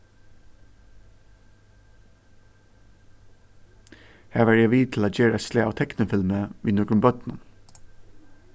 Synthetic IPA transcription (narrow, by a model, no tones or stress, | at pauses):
hæːʋæːɹjæʋiːt̪ʰl̩aːd͡ʒeːɹəsleːɑːʋt̪ʰɛknəfɪlməʋḭːnɔɡɹmbœt̪nə